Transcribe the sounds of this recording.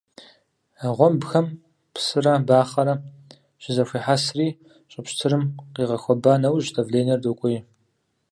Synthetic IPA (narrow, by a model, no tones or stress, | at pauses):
aʁʷɔmbxɐm | pʰsɨrɐbaːχɐɾɐ | ɕɪzɐfʷiːħasriː | ɕʼɪpɕtʰɨɾɨmqiːʁɐxʷɔbaːnɐwʑdɐvɮeːnɐrdokʷʼʊi